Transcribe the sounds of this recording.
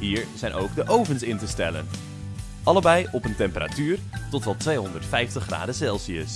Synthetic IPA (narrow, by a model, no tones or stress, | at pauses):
ɦiːɹz̥ɛjnʔo̰wɡdəʔowvənsɪntəstɛlə̰n | ʔɑləbɛjɔpəntɛmpəra̰tyːrtɔtʋɑtʋejɦɔndəɹtfɛjftəχːra̰ːdəsɛlˠsiəs